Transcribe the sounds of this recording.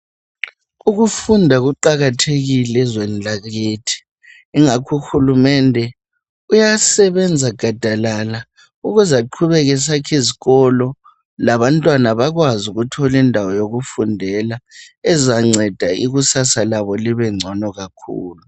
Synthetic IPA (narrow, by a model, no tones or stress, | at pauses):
uɣufundʱaɣuǃaɣatʰeɣilɛzwɛnd͡ɮʱaɣetʰi̥ː | ŋakʰuxulumɛndʱɛ | ujasɛβɛnd͡zʱaɡ̥ʱad̥ʱalala | uɣuzaǃʰuβɛɣɛs̬akʰiziɣɔlɔ | laβantʼwanaβaɣwazuɣutʰɔlindʱawɔjoɣufundʱɛlaɛzaŋ͡ǀʱɛd̥ʱaiɣusasalaβɔliβɛŋ͡ǀʱɔnɔɣakʰṵːlu